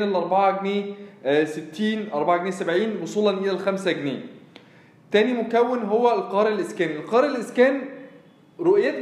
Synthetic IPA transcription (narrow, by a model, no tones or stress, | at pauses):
nælʔɑɾˤbɑʕɑɡneːset̪ːiːnʔɑɾˤbɑʕɡneːsæbʕiːnwosˤuːlɑnʔelælxæmsæɡnḛː | t̪æːnimʊkæwːenɦowːælqɑːɾelʔɪskæːnielqɑːɾˤelʔɪskæːn | ɾoʔjæt̪